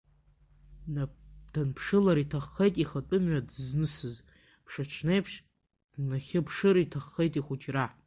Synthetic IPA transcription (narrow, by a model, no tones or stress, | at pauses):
d̥anpʰʂɨlaɾitʰaχːejtʼiχatʼʊmɥadznɨsɨz | pʰʂaʈ͡ʂʷʰnejpʰʂ | naχʲɪpʰʂɨɾitʰaχːejtʼiχʷut͡ʃʼraħ